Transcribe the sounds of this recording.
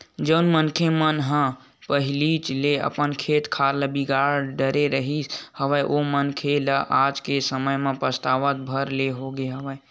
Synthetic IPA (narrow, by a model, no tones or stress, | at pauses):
d͡ʒəʊnmənkʰemənɦə̃ | pəɦilit͡ʃleə̰pənkʰet̪kʰaɾləbiɡaɾɖəɾeɾəɦishəʋəjʔomənkʰeləʔad͡ʒkesəməjmẽpəst̪aʋət̪̚bʱəɾleɦoɡeɦəʋəj